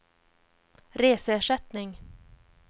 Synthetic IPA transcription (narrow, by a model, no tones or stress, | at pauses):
ɾeːsəæːʂɛt̪nɪŋ